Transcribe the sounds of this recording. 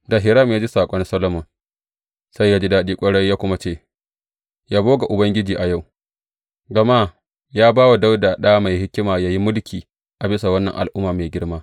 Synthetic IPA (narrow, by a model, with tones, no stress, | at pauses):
da˨ɦɪ˨ɾɐ˦˨mjaː˦d͡ʒi˦saː˨kʷʼɔ˦nsɐ˦lɐ˦mʊ˨ŋ | sa˦jjaː˦d͡ʒi˦daː˦ɗiː˦kʷʼɐ˦ɽɐ˦jaː˦kʷʊ˦ma˦t͡ʃeː˦˨ | jaː˦boː˦ɡa˨ʔʊ˨bɐ˦ŋɡʲɪ˦d͡ʒiː˨ʔa˨ja˦˨w | ɡɐ˨ma˦ | jaː˦baː˦wa˨da˦wdaː˨ɗa˦a˦ma˨jhɪ˦kʲɪ˦maː˨jaː˦ji˦mʊ˦lkʲʰiː˨ | ʔa˨bɪ˦sa˨wɐ˦nːɐ̰˨ŋʔa˨lʔʊ˦mːaː˨meː˨ɡʲɪ˦ɽmaː˦